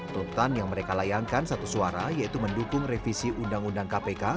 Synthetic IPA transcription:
t̪unt̪anjaŋməɾekalajaŋkansat̪usuaɾajait̪uməndukʊŋrefisiʔundaŋundaŋkapeka

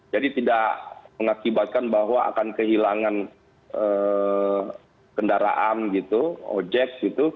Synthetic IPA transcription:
d͡ʒadit̪idaʔməŋakibat̪̚kanbaɦwaʔa̰kankəɦilaŋan | ə | kəndaɾa̰ʔanɡit̪uo̰d͡ʒɛk̚ɡit̪u

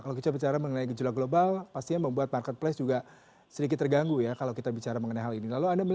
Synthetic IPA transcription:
kalakit̪abit͡ʃaɾaməŋənaiɡəd͡ʒulaɡlobalpast̪ijaməmbuat̪̚markɛt̪̚plɛsd͡ʒuɡa | sədik̬ɪt̪ːərɡaŋɡujakalawkit̪abit͡ʃaɾaməŋənajɦalinilaluandamə

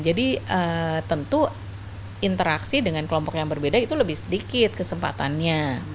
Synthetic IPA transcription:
d͡ʒadiət̪ənt̪u | int̪əɾaksidəŋankəlɔmpɔkjaŋbərbedait̪uləbɪhsədikɪt̪̚kəsəmpa̰t̪anɲa

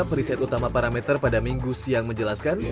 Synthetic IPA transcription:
pəɾisɛt̪ut̪amapaɾamɛt̪ərpadamiŋɡusiaŋməɲd͡ʒəlaskan

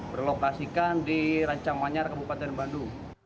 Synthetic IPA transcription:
bərlokasikandiɾaɲt͡ʃaŋmaɲarkəbupat̪ɛnbanduŋ

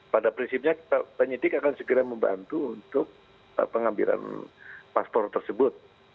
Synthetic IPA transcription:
padapɾinsip̚ɲakit̪apəɲidɪkakansəkiɾaməmba̰nt̪uːnt̪ʊk̚ | ə̰pəŋambḭɾa̰npaspɔrt̪ərsəbʊt̪̚

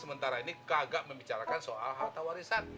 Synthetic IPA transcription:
səmənt̪aɾainikaɡaʔməmbit͡ʃaɾakansoa̰lɦat̪awaɾisan

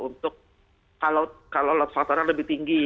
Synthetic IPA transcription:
unt̪ʊk̚ː | alokalowlɔt̪̚fak̚t̪aɾanləbɪht̪iŋɡi

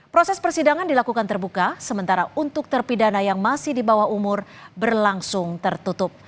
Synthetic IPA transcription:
pɾosɛspərsidaŋandilakukant̪ərbukasəmənt̪aɾaunt̪ʊk̚t̪ərpidanajaŋmasɪhdibawahumʊrbərlaŋsʊŋt̪ərt̪ut̪ʊp̚

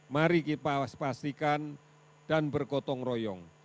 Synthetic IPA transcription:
maɾikipaspast̪ikan | d̥anbərkɔt̪ɔŋrɔjɔŋ

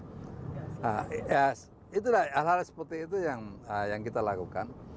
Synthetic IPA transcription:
aas | it̪̬ulaalhalsə̥put̪ɪit̪̬ujaŋəjaŋkit̪alakukan

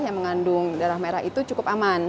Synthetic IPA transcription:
jaŋməŋandʊŋdaɾahmaeɾahit̪ut͡ʃukʊpaman

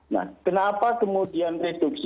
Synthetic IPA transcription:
na̰kənapakəmodianret̪oks

